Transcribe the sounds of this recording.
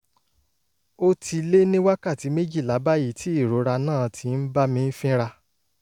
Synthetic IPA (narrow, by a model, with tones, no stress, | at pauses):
o˦tʰi˧le˦nĩ˦wa˦ka˦˨ti˨˦me˦d͡ʒi˦˨la˨˦ba˦ji˦˨tʰi˨˦i˦˨ɾo˨˦ɾa˧nãː˦˨tʰi˨˦n̩˦ba˦mĩ˧n̩˦fĩ˦ɾa˧